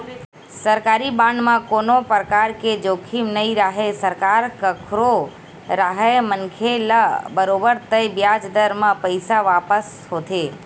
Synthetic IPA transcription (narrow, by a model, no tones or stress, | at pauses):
səɾkaːɾibãɳɖmãkoːnopɾəkaɾked͡ʒokʰimnəiɾaɦesəɾkaɾkəkʰɾo | ɾaɦemənkʰelabəɾoːbəɾt̪əbjad͡ʒd̪əɾmãpəɪsaʋaːpəs | ɦot̪ʰe